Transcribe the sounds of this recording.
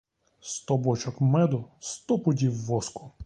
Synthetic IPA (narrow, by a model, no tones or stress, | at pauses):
st̪ɔbɔt͡ʃɔkmɛd̪ʊst̪ɔpʊdʲiwːɔskʊ